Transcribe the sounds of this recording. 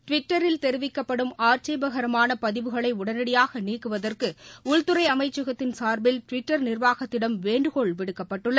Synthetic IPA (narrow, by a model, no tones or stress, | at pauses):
ʈʋɪʈːɐɾɪlt̪ɛɾɯʋɪkːɐpːɐɽɯmaːɾt͡ʃɐɪbɐɣɐɾɐmaːnɐpɐðɪʋɯɣɐɭɐɪʊɽɐnɐɽɪjaːɣɐniːkːɯʋɐðɐrkɯʊɭt̪ɯɾɐɪɐmɐɪt͡ʃːɯɣɐt̪ːɪnsaːɾbɪlʈʋɪʈːɐɾnɪrʋaːɣɐt̪ːɪɽɐmʋeːɳɖɯɣɔɭʋɪɽɯkːɐpːɐʈːɯɭːɐ